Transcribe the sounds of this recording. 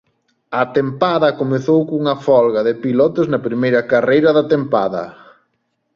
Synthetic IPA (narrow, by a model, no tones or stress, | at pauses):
ɐt̪empaðɐkomeθowkuŋɐfɔlɣɐðɪpilɔt̪ɪznɐpɾimejɾɐkarejɾɐðɐt̪empa̰ðɐ̰